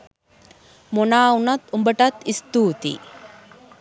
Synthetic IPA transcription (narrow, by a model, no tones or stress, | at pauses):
monaːunɐt̪umbəʈɐt̪ist̪uːt̪ḭ